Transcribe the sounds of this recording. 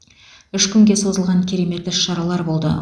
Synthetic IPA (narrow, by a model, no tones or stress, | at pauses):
ʏʃkʲʰʏŋɡʲe̞so̞zəlˠʁɑŋkʲʰeɾemet̪ːɪʃɑɾɑlˠɑɾbo̞lˠd̪ə̰